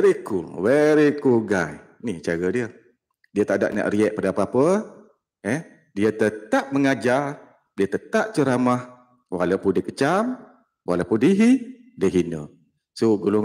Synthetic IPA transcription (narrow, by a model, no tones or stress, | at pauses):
ɾikṵlweɾikulɡaj | nit͡ʃaɡədiə | diət̪ada̰ʔ̚na̰ʔriɛʔ̚padəapəapə | ɛ | diət̪ət̪ap̚məŋad͡ʒar | diət̪ət̪aʔ̚t͡ʃəɾamah | walawpundəkət͡ʃam | wa̰lawpʊndiɦi | dəɦinə̰ | soɡuluŋ